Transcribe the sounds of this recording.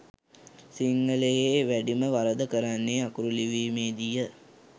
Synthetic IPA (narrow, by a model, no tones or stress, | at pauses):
siŋɡəlejeːʋæɖiməʋaɾəd̪əkəɾanːeakuɾuliʋiːmeːd̪ijə